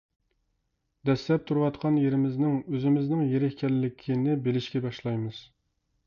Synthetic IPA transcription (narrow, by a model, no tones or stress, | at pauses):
d̪ɛslɛp̚t̪ʰuɾuwɑt̪qʰɑnjeɾɪmɪznɪŋøzɪmɪznɪŋjeɾɪhkʲɛlːɪkʲʰinɪbelɪʃkʲɛbɑʃlˠɑjmɨz̥